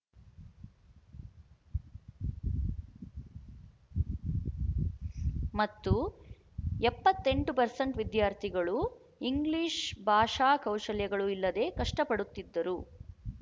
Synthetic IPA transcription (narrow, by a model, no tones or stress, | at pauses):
mɐt̪ːu | ɛpːɐt̪ːe̞ɳʈupɐɾsɐɳʈʋid̪jaːɾt̪ʰiɡɐɭu | iŋɡliːʂbʱaːʂaːkɐwʂɐljɐɡɐɭuilːɐd̪e̞ːkɐʂʈɐpɐɽut̪ːid̪ːɐɾu